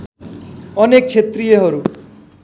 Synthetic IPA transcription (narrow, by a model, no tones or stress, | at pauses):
ʌnek̚t͡sʰet̪rijʌɦʌɾu